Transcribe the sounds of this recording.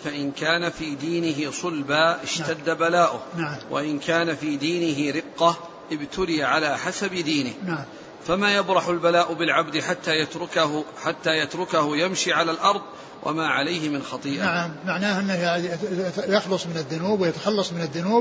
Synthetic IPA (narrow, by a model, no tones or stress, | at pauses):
faʔɪnkaːnafiːd̪iːnɪɦɪsˤʊlbaːʔɪʃad̪ːabalaːʔʊhnaʕamwʔa̰ʔɪnkaːnafiːd̪iːnɪɦɪɾɪqːa | ʔɪbt̪ʊlɪjaʕalaːħasabd̪iːnɪhnaʕm | famaːjabɾˤɑħʊlbalaːʔʊbɪlʕabd̪ɪħat̪ːaːjat̪ɾʊkaħat̪ːaːjat̪ɾʊkahʊjamʃiʕalaːlʔɑɾˤðˤ | wʔa̰maːʕalajhɪmɪnxɑt̪ˤiːʔaaʕamːaʕnaːhʔɪnːɪja | jɑxlʊsˤmɪnɪðːʊnuːbwɪjat̪ḁxɑlːɑsˤmɪnɪðːʊnuːb